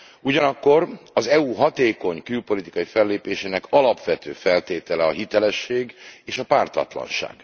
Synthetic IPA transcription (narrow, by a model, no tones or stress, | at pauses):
uɟɒnɒkːo̞rɒzɛuɦɒt̪eːko̞ɲkylpo̞lit̪i̥kɒifɛlːeːpeːʃeːnɛkʰɒlɒpʋɛt̪øːfɛlt̪eːt̪ɛlɛɒɦit̪ɛlɛʃːeːɡeːʃɒpaːrt̪ɒ̰t̪lɒ̰nʃa̰ːɡ̥